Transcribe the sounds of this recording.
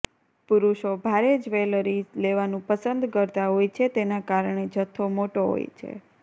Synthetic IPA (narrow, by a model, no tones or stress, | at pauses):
puɾuʃobʱaɾed͡ʒʋeləɾileʋanũpəsənd̪kəɾt̪aɦojt͡ʃʰet̪enakaɾɳed͡ʒət̪ʰːomoʈoɦo̰jt͡ʃʰḛ